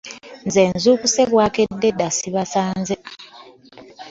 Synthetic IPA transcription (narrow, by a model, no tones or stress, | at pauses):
nze̞ːnzuːkuse̞βwaːkedːe̞dasiβasaːnze